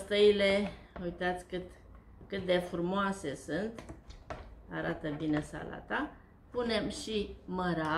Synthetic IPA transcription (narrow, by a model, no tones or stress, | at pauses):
st̪əile̞ | əujt̪at̪sʲkɨt̪ | kɨt̪̚d̪e̞fɾumoase̞sɨnt̪ | aɾat̪əbine̞sa̰la̰t̪a | pune̞mʃiməɾa